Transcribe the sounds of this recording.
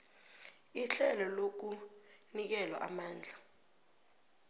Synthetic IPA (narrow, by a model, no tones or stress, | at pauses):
iɬɛlɔlok̬unik̬ɛlwaʔa̰maːnd͡ɮʱa